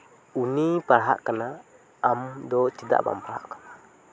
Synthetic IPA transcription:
unipaɾɦa̰ʔkənaː | mdɔt͡ʃida̰ʔba̰mpaɦa̰ʔkə̥na

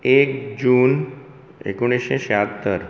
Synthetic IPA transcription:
ekd͡ʑuːn | ḛkuɽ̃iʃeʃeat̪ːəɾ

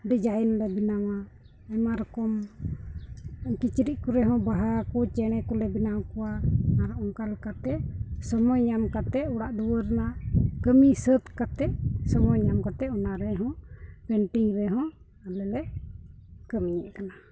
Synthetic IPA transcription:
bɛd͡ʒajɛnlɛbinawa | ɛmaɾɔkɔm | kit͡ʃiɾiʔ̚kuɾɛɦɔ̃baɦakut͡ʃɛɽ̃ɛkulɛbinawkuwamaɾɔʔɔŋkalkat̪ɛʔsɔmɔjɲamkat̪ɛuɽaʔd̪uwəɾnaʔkəmisət̪kat̪ɛʔsɔmɔjɲamkat̪ɛɔnaɾɛɦɔ̃ɡəɳʈiŋɾɛɦɔ̃ | alɛlɛ | kəmiɲɛʔkana

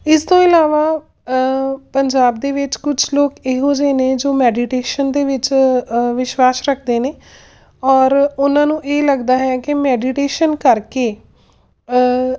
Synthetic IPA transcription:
ɪst̪õːɪlaːʋaː | pəɲd͡ʒaːb̚d̪eːʋɪt͡ʃkʊt͡ʃʰloːkeːɦoːd͡ʒeːnẽːd͡ʒoːmɛːɖiʈeːʃənd̪eːʋɪt͡ʃʋɪʃwaːsɾəkʰd̪eːneː | ɔːɾʊnãːnũːʔeːləɡd̪aːɦɛːkɪmɛːɖiʈeːʃənkəɾkeː

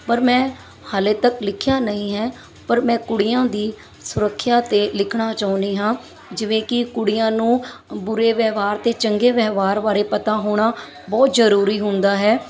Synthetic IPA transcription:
pəɾmɛ̃ː | haːleːt̪əklɪkʰjaːnəĩːɦɛː | pəɾmɛ̃ːkʊɽɪjãːd̪iː | sʊɾəkʰːjaːt̪eːlɪkʰɽaːt͡ʃaːʊ̃nd̪iːɦãː | d͡ʒɪʋẽːkɪkʊɽɪjãːnũːbʊɾeːʋɛːʋaːɾt̪eːt͡ʃəŋɡeːʋɛːʋaːɾʋaːɾeːpət̪aːɦoːɽ̃aː | bɔːt̪zəɾuːɾiːɦʊnd̪aːɦɛː

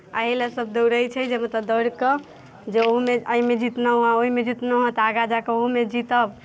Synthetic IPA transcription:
a̰ɦilesəb̚d̪əwɾəjt͡ʃʰɛd͡ʒemət̪ləbd̪əɾkə | d͡ʒeoɦumeəimed͡ʒit̪nəuãoɦimed͡ʒit̪nəɦə̃t̪aɡad͡ʒakeoɦumed͡ʒit̪əb

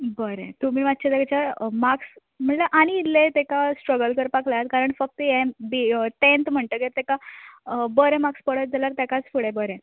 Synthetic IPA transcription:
bəɾɛ̰̃t̪umiːʋat̪ːt͡ɕʰat̪aɡt͡ɕamaks | m̤əɳləʔaɽ̃iːt̪let̪ekasʈɾəɡəlkəɾpaklajat̪̚kaɾəɳfək̚t̪jɛbit̪ẽnt̪m̤əɳt̪əket̪eka | bəɾɛ̃makspəɽət̪̚d͡zalaɾt̪akat͡sfuɽɛbəɾɛ̃

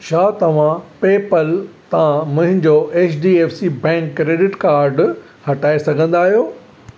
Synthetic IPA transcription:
ʃaːt̪ɐʋ̤ãpeːpəlt̪ɐãmʊ̃ɦɪ̃ɲd͡ʑoʔeːt͡ɕɖiːeːfsibɛ̃ːŋkːɾeːɖɪʈkaːɾɖ | hɐʈaːesɐɡʱə̃n̆d̪aːɦijoː

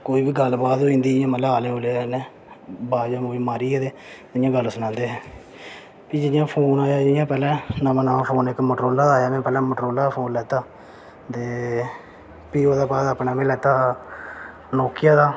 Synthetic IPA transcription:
koːiːbiːɡəlbaːt̪oːĩːnd̪iːɪjãːmət̪laːleːoːleːnɛ̃ː | baːd͡ʒãːmũiːmaːɾiːɛːd̪eː | ɪjãːɡəlsʊnãːnd̪eːɦɛː | piːd͡ʒɪjãːpʰoːnaːjaːd͡ʒɪjãːpɛːlɛ̃ːnamãːnaːmãːpʰoːnɪkːməʈɾoːlaːd̪aːjaːmẽːpɛːlɛ̃ːməʈɾoːlaːpʰoːnlɛːt̪aː | t̪eː | piːoːd̪aːbaːd̪aːpɳaːmẽːlɛːt̪aː | loːkɪjaːd̪aː

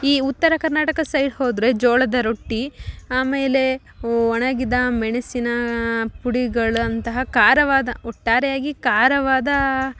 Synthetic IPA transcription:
iːut̪ːɐɾɐkɐɾnaːʈɐkɐsɐjɖhoːd̪ɾe̞d͡ʒoːɭɐd̪ɐɾo̞ʈːiaːmeːle̞ | ɔɳɐɡid̪ɐmɛɳɐsinɐpuɽiɡɐɭɐnt̪ɐɦɐkaːɾɐʋaːd̪ɐɔʈːaːɾɛjaːɡikaːɾɐʋaːd̪ɐ

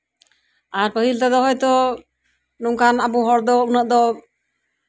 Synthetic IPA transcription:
aɾpəɦilt̪ad̪ɔɦɔjt̪ɔ | nuŋkʰanabuɦɔɾd̪ɔunəʔd̪ɔ

